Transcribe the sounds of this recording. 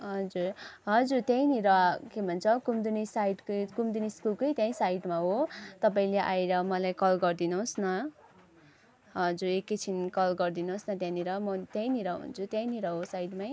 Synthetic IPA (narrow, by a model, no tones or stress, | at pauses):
ɦʌd͡zurɦʌd͡zurt̪jãj̃niɾʌkebʱʌnt͡sʰʌkumd̪unisaiʈkkumd̪uniskulkʌjt̪jãĩsaiʈmaɦot̪ʌpaĩleʔaiɾʌmʌlajkʌlɡʌrd̪inosnʌ | ɦʌd͡zuɾekːet͡sʰinkʌlɡʌrd̪inoosnʌt̪jãniɾʌmʌt̪jãĩniɾʌɦṵnt͡sʰut̪jãĩniɾʌɦosaiʈmaj